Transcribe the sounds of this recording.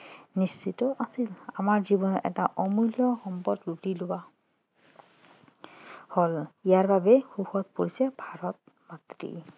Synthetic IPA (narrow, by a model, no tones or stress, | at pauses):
nisːitɔʔasila̰maɹzibɔnɔʔɛ̰taʔɔmujlijɔxɔmpɔdlutilʊwa | holijaɹbabɛxuxɔd̪̚poɹisɛbʱaɹɔt̪̚ | mat̪ɾḭ